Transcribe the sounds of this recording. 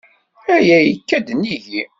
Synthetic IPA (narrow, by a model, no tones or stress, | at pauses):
æjæjəkːæd̪niʝi